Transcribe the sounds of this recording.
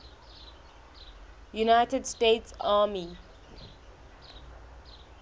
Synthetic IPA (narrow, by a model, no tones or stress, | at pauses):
junaɪtədstetsaːmi